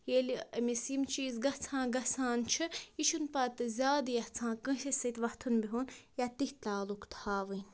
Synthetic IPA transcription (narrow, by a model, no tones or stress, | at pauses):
jelʲiɐmʲisiːmt͡ʃiːzɡɐht͡sʰãːɡɐt͡sʰaːnt͡ʃʰɨiʃʰunpɐt̪ɨzʲaːd̪jɐht͡sʰãːkə̃ʃɐsɐt̪ʋɐht̪ʰunbiɦunjat̪ihʲt̪aːlukt̪ʰhaːʋɨnʲ